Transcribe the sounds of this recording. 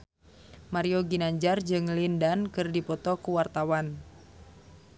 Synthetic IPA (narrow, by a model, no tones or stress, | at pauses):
maɾioɡinaɲd͡ʒard͡ʒɨŋlindankɨrdipɔt̪ɔkuwart̪awan